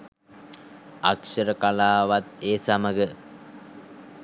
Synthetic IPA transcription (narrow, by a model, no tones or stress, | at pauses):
akʂəɾəkalaːʋat̪eːsaməɡə